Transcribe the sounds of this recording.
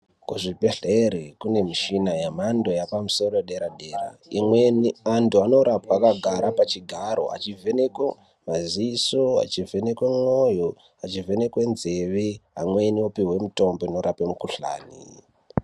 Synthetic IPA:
kuʐibʱeɮeɾekune̞miʃinajamando̞japamuso̞ɾoɗeɾaɗe̞ːraimweniantuano̞ɾapaːkaɡʱaɾapat͡ʃiɡʱaɾo̞̰a̰t͡ʃivʱe̞nekwe | mazisoa̰t͡ʃivʱe̞nekwemwojo | at͡ʃive̞nekwenzeʋiamweːniopiwe̞muto̞mbo̞ino̞ɾapemukuɬa̰ːnḭ

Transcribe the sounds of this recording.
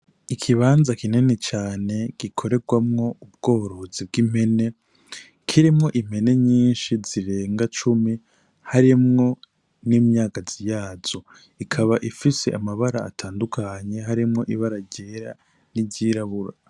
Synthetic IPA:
ikʰiβaːnzakininet͡ʃaːne̞ɡ̥ikʰo̞ɾe̞ɡwamŋo̞ub̚ɡ̥o̞ːɾo̞zib̚ɡim̥he̞ne̞ | kʰiɾimŋo̞ʔim̥he̞ne̞ɲiːnʃiziɾe̞ːŋɡat͡ʃumi | haɾimŋo̞ | niːmɲaːkazijaːz̥o̞ | ikʰaβaʔifise̞̰ʔamaβaɾa̰ːtʰaːndukʰaɲe̞ɦaɾimŋo̞ʔiβaɾaɟeːɾa̰ | niɟiɾaβuɾa

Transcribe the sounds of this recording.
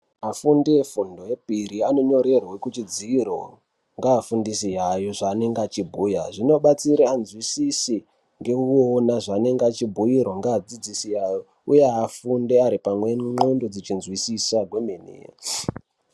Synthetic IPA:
afundefundojepiɾiano̞ɲo̞ɾe̞rwekut͡ʃid͡ziro̞ | ŋɡaːfundisijajo̞ʐaːne̞ŋɡat͡ʃibʱuːjaʐino̞ɓat͡siɾeanzwisisi | ŋɡe̞uonaʐane̞ŋɡat͡ʃibʱuiɾoŋɡaːd͡zid͡zisijajo̞ | ujeafundeaɾipamwemendo̞d͡zit͡ʃinzwisisaɡʱwe̞menḛːja̰

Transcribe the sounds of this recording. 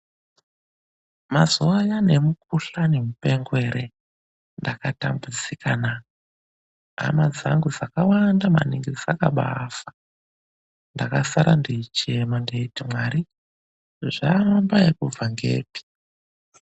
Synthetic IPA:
mazuajane̞mukuɬanemupe̞ŋɡwe̞ɾe | ndakatambud͡zikʰana | a̰mad͡za̰ŋɡud͡zakawandama̰niŋɡid͡zakaɓa̰fḁ | ndakasaɾʔandiit͡ʃemandeitimwaɾi | ʐaambajekuvaŋɡe̞̰ːpi̥

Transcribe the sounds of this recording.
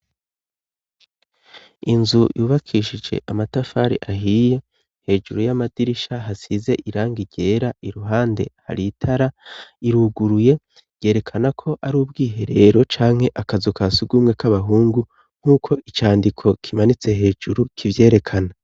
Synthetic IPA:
inzujʔuːβakʰiʃid͡ʒe̞̰ʔamatafaɾḭʔaɦije̞ | he̞ːʒuɾujamadiɾiʃaɦasize̞ʔiɾaːŋɡiɟe̞ːɾaiɾuɦaːnde̞̰ha̰ɾiːtʰaɾaiɾuɡuɾuje̞ | je̞ːɾe̞kʰanakʰo̞ʔaɾuːbɡiːɦe̞ɾe̞ːɾo̞t͡ʃaːŋ̥he̞ʔakazukasuɡuːmŋe̞kaβaɦuːŋɡu | ŋ̥uːkʰo̞ʔit͡ʃaːndikʰo̞kʰimanit͡se̞ɦe̞ːʒuɾukʰivje̞ːɾe̞kʰana

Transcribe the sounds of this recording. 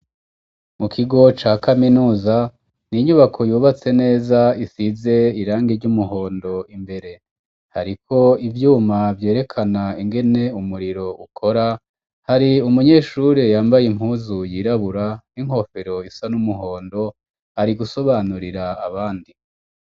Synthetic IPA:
mukʰiɡo̞t͡ʃaːkaminuːza | niɲuβakʰo̞juːβat͡se̞ne̞ːzaisize̞iɾaːŋɡeɾɟumuɦo̞ːndo̞imbe̞ɾe̞ | ha̰ɾikʰo̞ivjuːmavje̞ːɾe̞kʰanaiŋɡe̞ne̞umuɾiɾo̞ukʰo̞ɾa | haɾiumuɲe̞ːʃuɾejaːmbajim̥uːzujiːɾaβuɾaniŋ̥o̞feɾo̞isanumuɦo̞ːndo̞ | haɾiɡuso̞βaːnuɾiɾaːβaːndi

